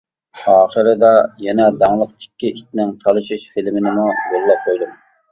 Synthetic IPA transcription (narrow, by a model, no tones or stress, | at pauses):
ɑːχəɾɪd̪ɑjɛnɛd̪ɑŋlˠəq̚t͡ʃi̥kʲːiʔit͡ʃ̚ʲnɪŋt̪ʰɑlˠɨʃuʃfilmɪnɪmujøɾlɛp̚qʰojd̪um